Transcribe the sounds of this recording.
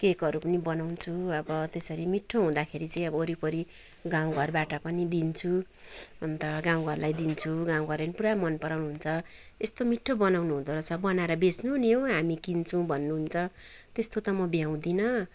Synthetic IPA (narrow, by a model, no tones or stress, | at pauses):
kekʌɾupʌnibʌnawnt͡sʰuʌbʌt̪esʌɾimiʈʰːoɦũd̪akʰeɾit͡sʌĩʌbʌoɾipʌɾi | ɡãw̃ɡʱʌrbaʈʌpʌnid̪int͡sʰu | ʌnt̪ʌɡãw̃ɡʱʌrlajd̪int͡sʰuɡãw̃ɡʱʌɾenipuɾamʌnpʌɾawnuɦunt͡sʰʌ | est̪omiʈʰːobʌnawnuɦũnd̪oɾʌt͡sʰʌbʌnaɾʌbesnunijoɦamikint͡sʰũbʱʌnːuɦunt͡sʰʌt̪est̪ot̪ʌmʌbjaw̃d̪inʌ